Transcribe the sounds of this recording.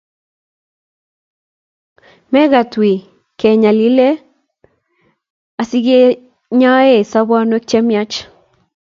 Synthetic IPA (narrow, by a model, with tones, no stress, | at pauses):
mɛ˦ɣa˨t̪wi˨ | kɛ˨ɲa˨li˦le˦ | a˨si˦ɡe˦ | ɲa˦e˦˨sa˦ba˦nwe˦k̚t͡ʃɛ˦mja˦t͡ʃ